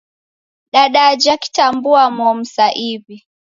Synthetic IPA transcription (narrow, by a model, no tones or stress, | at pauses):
ɗaɗad͡ʒaki̥tambuamɔm̩saʔivi